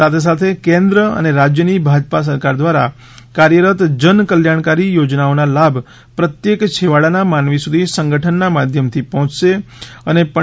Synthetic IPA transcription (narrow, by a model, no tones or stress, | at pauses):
sat̪ʰes̬at̪ʰekẽnd̪ɾəə̰neɾad͡ʒjənibʱad͡ʒpas̬əɾkaɾd̪ʋaɾa̰ | kaɾjəɾət̪d͡ʒənkəljaɳ̃kaɾijod͡ʒnaonalabʱ | pɾət̪jekt͡ʃʰeʋaɭanamanʋisud̪ʱisəŋɡəʈʰənːamad̪ʱjəmt̪ʰipɔɦɔ̃t͡ʃʃeənepə